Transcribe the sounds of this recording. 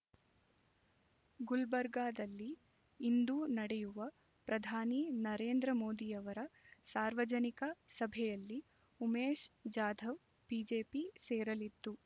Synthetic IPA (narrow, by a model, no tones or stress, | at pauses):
ɡulbɐɾɡaːd̪ɐlːiː | nd̪unɐɽɛjuʋɐ | pɾɐd̪ʱaːninɐɾeːnd̪ɾɐmoːd̪ijɐʋɐɾɐsaːɾʋɐd͡ʒɐnikɐsɐbʱɛjɐlːi | umeːʃd͡ʒaːd̪ʱɐʋ | b̥iːd͡ʒeːpiseːɾɐlit̪ːu